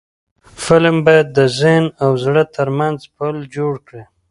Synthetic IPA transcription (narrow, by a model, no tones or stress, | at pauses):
fɪlmbɑjad̪̚ːəzɪhnawzɽət̪əɾmanzpəld͡ʒoɽkɽi